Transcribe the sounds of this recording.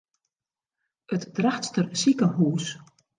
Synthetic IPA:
ətd̥raxtstərsikəɦuːs

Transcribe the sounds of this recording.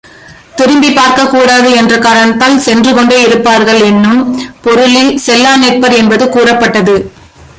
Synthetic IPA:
t̪ɪɾɯmbipaːɾkɐkːuːɽaːðɯɛndrɐkaːɾɐnɐt̪ːaːlsɛndrɯkɔɳɖeːɪɾɯpːaːɾɣɐɭɛnːɯmpɔɾɯlisɛlːaːnɛɪʈ̚pɐɾɛnbɐðɯkuːrɐpːɐʈːɐðɯ

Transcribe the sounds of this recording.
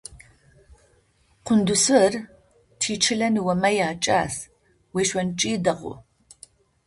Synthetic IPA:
qʷʰʊndʊsɨr | tʰiːt͡ʃʰɪɮɐnɨwɐmɐjaːt͡ʃʼa̰ːs | weːʃʷɐnt͡ʃʼiːdɐqʷʼʊ̰

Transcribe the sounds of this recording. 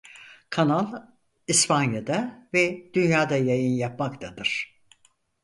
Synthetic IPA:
kʰanalˠ | ispanjad̪avɛd̪̥ynjaːd̪ajajɯnjapmakt̪ʰad̪ɯɾ̥

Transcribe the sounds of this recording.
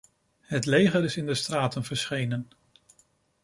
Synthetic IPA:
ɦətlejχəɾɪsɪndəstraːtənvəɹsχejnən

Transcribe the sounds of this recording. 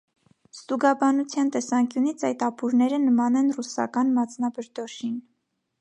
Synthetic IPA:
st̪uɡɑbɑnut͡sʰjɑnt̪ɛsɑŋkjunit͡sʰɑjt̪ɑpʰuɾnɛɾənəmɑnɛnrusɑ̰kɑnmɑt͡sʰnɑbəɾd̪ɔʃin

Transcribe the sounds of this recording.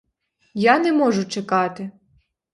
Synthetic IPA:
janɛmɔʒʊt͡ʃekɑt̪ɪ

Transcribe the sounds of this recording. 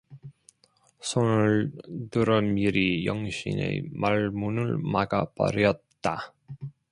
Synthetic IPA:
sʰonɯɭtɯɾʌmiɾijʌŋɕʰḭnḛmaɭmunɯɭmaɡapʌ̰ɾjʌt̚t͈a

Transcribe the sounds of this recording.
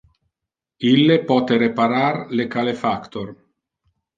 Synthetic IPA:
ilːepɔːt̪eɾepaɾarlekalefakt̪or

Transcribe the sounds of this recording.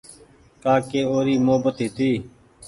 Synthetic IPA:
kaːkeːoːɾiːmʊɦəbət̪ɦiːt̪iː

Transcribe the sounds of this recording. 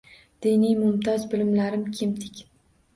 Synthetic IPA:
d̪̥inijmʊmt̪ʰɒzbɪlɪmlaɾɪmkʲʰɪmd̪ɪkʲ

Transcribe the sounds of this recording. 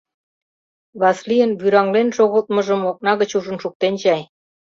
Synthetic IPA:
βɑslijənβyɾɑŋlenʃoɣəlt̪̚mə̆ʒə̆mok̚nɑɣə̆t͡ɕuʒə̆nʃuk̚t̪ent͡ɕɑj

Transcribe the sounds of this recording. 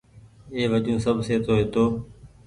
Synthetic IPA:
eːʋəd͡ʒũːsəbʱseːt̪oːɦet̪oː

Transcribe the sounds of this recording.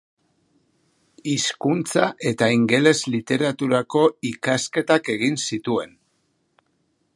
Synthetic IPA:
iskunt͡saʔe̞t̪aiŋɡe̞le̞zlit̪e̞ɾat̪uɾako̞ikaske̞t̪ake̞ɣ̞insit̪ue̞n

